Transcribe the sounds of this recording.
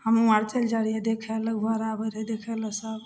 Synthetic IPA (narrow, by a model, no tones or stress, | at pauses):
həmuaɾt͡ʃəld͡ʒaɽijɛd̪ekʰɛləbʱəɾabəɾɛd̪ekʰɛləsəb